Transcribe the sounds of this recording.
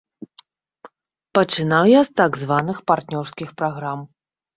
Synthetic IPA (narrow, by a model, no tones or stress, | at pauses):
pɐt͡ʂɨn̪awjast̪aɡzvanɨxpart̪nʲɔrskʲixpɾaɣɾam